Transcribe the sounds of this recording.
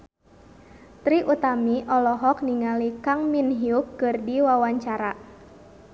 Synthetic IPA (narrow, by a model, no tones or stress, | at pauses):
t̪ɾiʔut̪amiʔɔlɔɦɔk̚niŋalikaŋminɦiukːɨrdiwawaɲt͡ʃaɾa